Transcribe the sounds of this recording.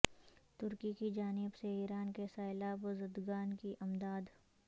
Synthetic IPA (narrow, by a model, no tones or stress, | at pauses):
t̪ʊɾkikid͡ʒaːnɪbseiːɾaːnkesaːɪlaːbozəd̪ɡaːnkiʔɐmd̪aːd̪